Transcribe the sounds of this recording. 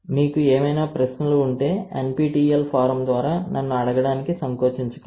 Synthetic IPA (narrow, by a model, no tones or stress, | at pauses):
miːkueːmɐjnaːpɾɐʃnɐlouɳʈe̞ːḛnpiːʈiːelpʰaːɾɐmd̪ʋaːɾaːnʔɐnːuɐɽɐɡɐɽaːnikisɐŋkoːt͡ʃiɲt͡ʃɐ̥kɐ